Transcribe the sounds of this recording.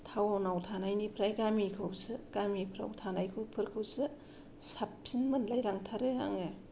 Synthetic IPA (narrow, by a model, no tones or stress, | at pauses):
tʰawanawtʰanajnipʰɾajɡamikʰɯwsɯɡ̥amipʰɾa̰wtʰanajkʰɯpʰɯɾkʰɯwsɯ | sap̚sinmɯnlajɾaŋtʰaɾɯa̰ŋɯ